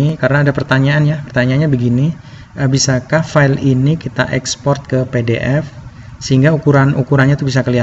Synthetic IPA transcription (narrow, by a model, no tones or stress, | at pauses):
ikaɾənaːdapərt̪aɲaːnɲapərt̪aɲaːnɲabəɡini | əbisakahfaɪlinikit̪aʔɛkspɔrt̪̚kəpedeʔɛf | səɦiŋɡaukuɾanʔukuɾanɲat̪ubisakəliat̪